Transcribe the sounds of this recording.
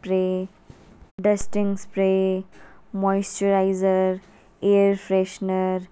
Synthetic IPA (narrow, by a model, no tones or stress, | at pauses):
pɾeː | ɖəsʈɪ̃ŋspɾeː | mɔɪsʈəɾaɪzəɾ | eːəɾfɾeʃnəɾ